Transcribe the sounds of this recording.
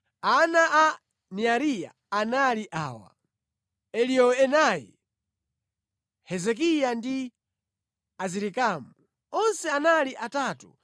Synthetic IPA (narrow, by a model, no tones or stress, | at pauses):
anaʔa | niaɾija̰ | analiʔaːwa̰ | ɛlijɔɛnajḭ | hɛzɛk̬ijandi | aziɾikaːmu | ɔnsɛanaliʔataːtṵ